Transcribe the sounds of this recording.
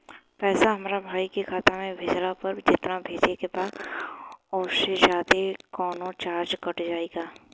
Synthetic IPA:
pɛːsaɦɐmaːɾabʱaːikekʰaːt̪amẽbʱeːd͡ʒlapɐɾd͡ʒɪt̪nabʱeːd͡ʒekebaːd | ɔːɾʃed͡ʒaːd̪ekɔːnõt͡ʃaːɾd͡ʒkɐʈd͡ʒaːeːɡaː

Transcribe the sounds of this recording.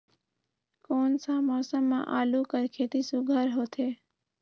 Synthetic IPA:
koːnsãːmɔːsəmːã̰ːʔaːluːkəɾkʰeːt̪iːsʊɡʱəɾɦoːt̪ʰeː

